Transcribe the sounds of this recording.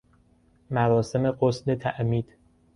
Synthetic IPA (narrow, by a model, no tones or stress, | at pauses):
mæɾɒːse̞me̞ɢosd̪et̪ʰæʔmiːd̪̥